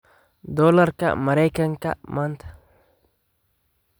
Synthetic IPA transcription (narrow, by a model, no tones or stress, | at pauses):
d̪ɔlɐrkɐ̰mɐɾɛjkɐŋkɐ̰mant̪ʰɐ̥